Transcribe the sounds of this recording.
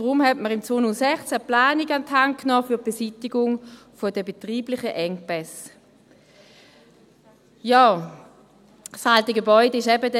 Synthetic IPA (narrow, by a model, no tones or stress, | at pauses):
d̥ʁʊmhɛtməʁɪmt͡soːnusɛχt͡sæplaːniɡantʰhaŋkʰːnɔːfyːɐtb̥esitiɡʊŋ | fod̥əbetʁiːblɪχəʔɛŋpɛs | jɔː | saltəɡəbɔʏdəɪʃɛbəd